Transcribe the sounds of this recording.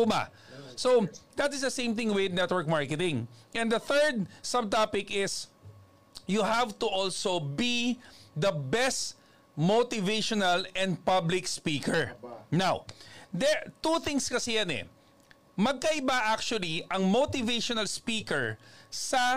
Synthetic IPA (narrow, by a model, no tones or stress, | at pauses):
ʊma̰ | sod̪ɐt̪ɪsd̪ɐsẽɪ̃mθɪ̃ŋwɪd̪nɛt̪̚wɛɹk̚maɹkɛt̪ɪ̃ŋʔɛ̃nd̪ɐθɛɹd̪̚sɐb̚t̪apɪkɪs | jʊɦavt̪ʊʔolsobid̪ɐbɛst̪ | mot̪ɪveʃɔnɐlɛ̃nd̪̚pɐblɪkspiːkɛɹnawd̪ɛt̪uθɪ̃ŋskɐsɛjanɛ̰ | mɐɡ̚kɐʔɪbaʔak̚t͡ʃʊwɐliɐŋmot̪ɪveʃɔnɐlspiːkɛɹsɐ